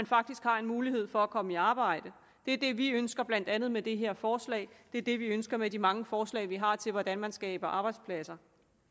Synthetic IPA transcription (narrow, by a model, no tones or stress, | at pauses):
ænfɑ̈ɡ̥̚d̥isɡ̥hɑ̈e̝nmuːliɦhe̝ð̞̰ˠfɒ̽ækʰɒ̽məiɑ̈ːb̥ɑ̈ɪ̰d̥ə | d̥e̝ɐd̥e̝ʋiønsɡ̥ɐb̥læn̰d̥ænð̩ˠmed̥e̝ɦe̝ɐ̰fɒːslɛ̰ːɪd̥e̝ɐd̥e̝ʋiønsɡ̥ɐmedimɑ̈ŋəfɒːslɛ̰ːɪʋiɦɑ̈t͡sʰe̝lʋɒd̥ænmænsɡ̥ɛːb̥ɐʔɑ̈ːb̥ɑ̈ɪd̥spʰlæsɐ